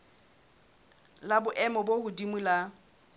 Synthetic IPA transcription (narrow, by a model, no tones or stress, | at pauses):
labʊʔɛmɔbohʊdimula